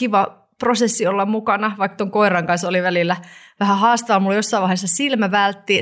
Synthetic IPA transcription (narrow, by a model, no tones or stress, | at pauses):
kiʋɑ | prosesːiolːɑmmukɑnɑʋɑikːt̪oŋkoirɑŋkɑnsoliʋælilːæʋæhæhɑːst̪ɑʋɑlmulːojosːɑiʋɑihesːɑsilmæʋælt̪ːi